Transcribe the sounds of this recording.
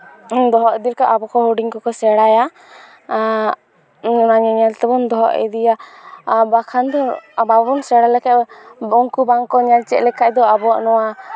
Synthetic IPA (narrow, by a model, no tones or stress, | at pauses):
d̪ɔɦɔʔɛd̪ilkaʔabɔkɔɦoɖiŋkɔkɔsɛɽaja | naɲaɲɛlt̪ɛbɔnd̪ɔɦɔ̰ʔɛ̰d̪ija | bakʰand̪ɔbabɔnsɛɽalɛkaʔbɔŋkubaŋkɔɲalt͡ʃɛʔlɛkaʔd̪ɔabɔaʔnɔwa